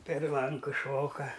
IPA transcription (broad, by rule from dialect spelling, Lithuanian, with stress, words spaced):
pʲɛr ˈlˠɐŋkʊ ˈʃoːkɐ